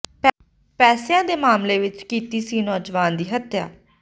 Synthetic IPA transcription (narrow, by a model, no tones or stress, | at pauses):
p | pɛːsejãːd̪eːmaːmleːʋɪt͡ʃkiːt̪iːsĩːnɔːd͡ʒʋaːnd̪iːɦət̪ja̰ː